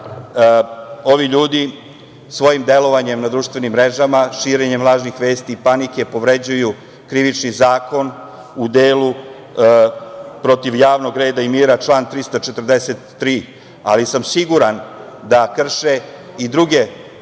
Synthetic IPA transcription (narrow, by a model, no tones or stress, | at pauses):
o̞ʋiʎuːd̪i | sʋo̞jimd̪e̞lo̞ʋaɲe̞mnad̪ɾuʃt̪ʋe̞nimːɾe̞ʒamaʃiːɾe̞ɲe̞mlˠaːʒnixʋe̞ːst̪iːpanike̞po̞ʋɾe̞d͡ʑuju | kɾiʋit͡ʃnizaːko̞n | ud̪eːlu | pɾo̞t̪iʋjaːʋno̞ɡɾe̞ːd̪aimiːɾat͡ʃlˠaːnt̪ɾist̪at͡ʃet̪ərd̪eset̪ːɾiː | a̰lisamsiɡuɾand̪akr̩ʃe̞ | id̪ɾuɡe̞